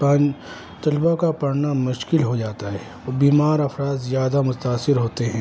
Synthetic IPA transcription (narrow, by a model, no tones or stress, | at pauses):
ãːn | t̪ɐlbakapɐɾnamʊʃkɪlɦod͡ʒaːt̪aɦɛː | biːmaːɾɐfɾaːd̪zjaːd̪amʊt̪aːsɪɾɦoːt̪eɦɛ̃ː